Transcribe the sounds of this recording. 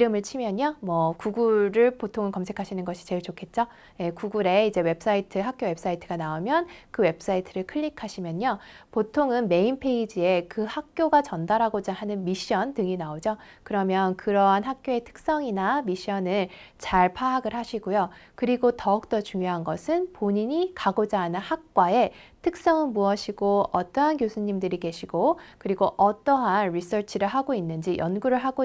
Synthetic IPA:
iɾɯmɯɭt͡ɕʰimjʌɲomwʌkuɡuɾɯɭpotʰoŋɯɭkʌmsʰe̞kʰaɕʰinɯnɡʌɕʰi̥t͡ɕe̞ɭt͡ɕokʰe̞t̚t͡ɕ͈o | je̞kuɡuɾe̞id͡ʑe̞we̞p̚s͈aitʰɯɦak̚k͈jowe̞p̚s͈aitʰɯɡ̥anaomjʌnkɯwe̞p̚s͈aitʰɯɾɯɭkʰɯɭːikʰaɕʰimjʌɲopotʰoŋɯnme̞inpʰe̞id͡ʑie̞kɯhak̚k͈joɡat͡ɕʌndaɾɦaɡod͡ʑahanɯnmiɕ͈ʌntɯŋinaod͡ʑokɯɾʌmjʌnkɯɾʌɦanɦak̚k͈joe̞tʰɯ̥k̚s͈ʌŋinamiɕ͈iʌnɯɭ | t͡ɕaɭpʰaɦaɡɯɭhaɕʰiɡojokɯɾiɡotʌk̚t͈ʌt͡ɕuŋjoɦanɡʌsʰɯnpoɲiɲikaɡod͡ʑaɦanɯnhak̚k͈wae̞ | tʰɯk̚s͈ʌŋɯnmuʌɕʰiɡoʌt͈ʌɦankjosʰuɲimdɯɾike̞ɕʰiɡokɯɾiɡoʔʌt͈ʌɦanɾis͈ʰʌɭt͡ɕʰiɾɯɭɦaɡoinːɯnd͡ʑijʌnɡuɾɯɭɦaɡo

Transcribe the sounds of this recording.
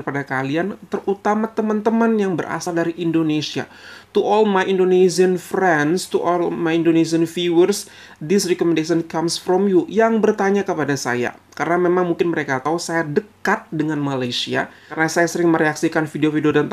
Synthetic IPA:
padakaliant̪ərut̪amat̪əmənt̪əmənjaŋbərʔa̰saldaɾiʔindonesia̰ | t̪uʔɔlmajʔindonesiənfɾɛnst̪uʔɔlmajindones̬iənfiwərs | dɪsrɛkɔmɛndesənkamsfɾɔmjujaŋbərt̪aɲakəpadasa̰ja̰ | kaɾənamemaŋmuŋkɪnməɾekat̪ausajadəkat̪̚dəŋanmalajsia̰ | rənasajasəɾɪŋməɾeaksikanfideofideodant̪

